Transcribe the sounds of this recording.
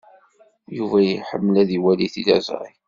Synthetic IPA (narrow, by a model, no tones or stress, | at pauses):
juvæjəħəmːəlæðiwæliθilæ̰z̰ˤɾi